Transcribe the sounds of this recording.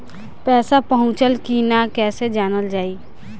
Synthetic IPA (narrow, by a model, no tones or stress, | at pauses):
pɛːsapəɦʊ̃t͡ʃəlkinakɛːsed͡ʒaːnəld͡ʒaːiː